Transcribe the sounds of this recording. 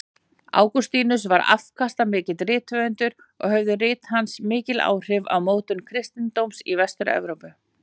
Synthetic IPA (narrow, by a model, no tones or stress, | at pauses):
a̰ːwkɔst̪iːnʏs̬vaɾa̰fkʰast̪amɪːcɪðrɪːt̪vœʏnt̪ʏɾ̥ | ɔɣhœvðʏrɪːt̪hansmɪːcɪla̰ːwr̥ɪva̰wmoːwt̪ʏnkʰɾɪst̪ɪnt̪owmsivɛst̪ʏɾɛ̰vɾowpʏ